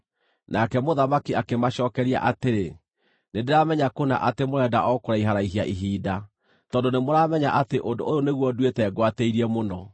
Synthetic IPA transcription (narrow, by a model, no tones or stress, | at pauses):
nakɛmoðamakiakemaɕɔːkɛɾia̰ʔateɾe | nendeɾamɛɲakona̰ʔatemoɾɛːdaʔɔkoɾaiɦaɾaiɦiaʔiɦiːda | tɔːndonemoɾamɛɲaʔateʔondoooneɣwɔdwetɛːɡwateiɾiɛmonɔ